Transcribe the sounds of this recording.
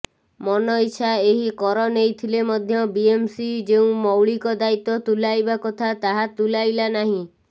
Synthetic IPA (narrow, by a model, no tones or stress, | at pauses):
mɔnɔit͡ʃʰaeɦikɔɾɔnejt̪ʰilemɔd̪ʱjɔbiemsid͡ʒeũmɔwɭikɔd̪ait̪ɔt̪ulajbakɔt̪ʰat̪aɦat̪ulajlanaɦĩ